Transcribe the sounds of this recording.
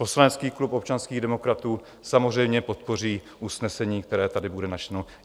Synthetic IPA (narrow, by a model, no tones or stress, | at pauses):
po̞slanɛt͡skiːklupop̚t͡ʃanskiːɣdɛmo̞kɾat̪uː | samozr̝ɛjmɲɛpo̞t̪̚po̞r̝iː | ʔusnɛsɛɲiːkt̪ɛɾɛːt̪adɪbudɛnat͡ʃno